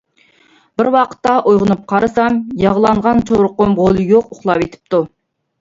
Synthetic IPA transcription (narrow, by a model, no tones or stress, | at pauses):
b̥ɪɾwɑqʰə̥t̪ːɑʔujʁʊnɨp̚qʰɑɾɨsɑmjɑʁlˠɑɴʁɑnt͡ʃʰowɾʊqːʊmʁolˠɨjoqʊχlˠɑpet̪ʰɪ̥p̚t̪u